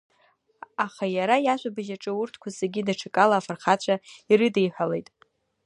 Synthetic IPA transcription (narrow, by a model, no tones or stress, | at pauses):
aχajaɾajaʒʷabɨʒaʈ͡ʂʼɨʊrtʰkʷʰazeɡʲidaʈ͡ʂʰɨkʼalaːfarχat͡ɕʷʰairɨdejħʷale̞jtʼ